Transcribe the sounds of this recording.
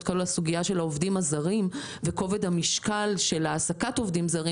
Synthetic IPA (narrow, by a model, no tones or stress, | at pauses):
tkalulasuɡiaʃe̞laovdimazaʁim | veko̞ve̞dhamiʃkalʃe̞laːsakato̞vdimzaʁi